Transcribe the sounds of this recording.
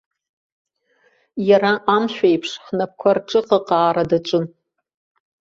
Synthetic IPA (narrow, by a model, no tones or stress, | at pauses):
jaɾaʔamʃᶣaipʰʂħnap̚kʷʰarʈ͡ʂʼɨqʼaqʼaːɾadat͡ʃʷʼʊn